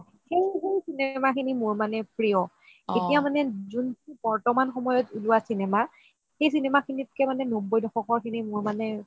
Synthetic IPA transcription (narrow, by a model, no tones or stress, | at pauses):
xejɦejsinemakʰinimuɹmanɛpɹijɔ | etijamanɛzunib̥ɔɹtɔmanxɔmɔjɔtuluasinɛma | xejsinɛmakʰinitkɛmanɛnobɔjdɔxɔkɔɹkʰinimuɹmanɛ